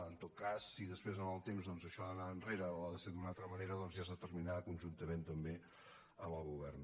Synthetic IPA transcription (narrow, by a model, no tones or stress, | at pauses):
ənt̪ot̪̚kasːiðəspɾezənəlˠt̪emzðɔnzəʃɔðənaənreɾəoaðəseɾd̪unalˠt̪ɾəməneɾəðɔnziazðət̪ərminakunʒunt̪əment̪əmbe | əməlˠɣuβɛrn